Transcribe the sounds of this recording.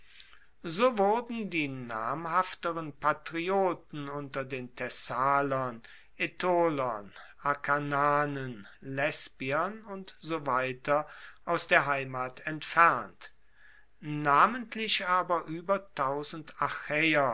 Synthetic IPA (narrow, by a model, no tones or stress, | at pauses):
zoːvʊʁdn̩diːnaːmhaftəʁənpatʁ̥ioːtn̩ʊntɐdeːntʰɛsaːlɐn | ʔetʰoːlɐnʔakʰanaːnənlɛsb̥iɐnʊntz̥ovaɪtɐʔaʊsd̥eːɐɦaɪmaːtɛntfɛʁnt | naːməntlɪʃʔaːbɐʔyːbɐtʰaʊzn̩taxɛːɐ